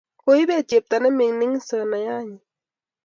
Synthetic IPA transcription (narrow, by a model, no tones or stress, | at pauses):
kojbet͡ʃep̚t̪anemiŋniŋsənajaɲi